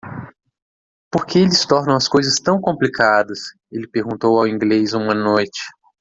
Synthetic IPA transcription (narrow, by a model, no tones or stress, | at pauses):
poɾkʰeelɪst̪ɔɾnɐ̃w̃ɐskojzɐst̪ɐ̃w̃kõmplikʰad̪ɐs | elɪpeɾɡũnt̪owawĩŋɡlejzũmɐnojt͡ʃɪ̥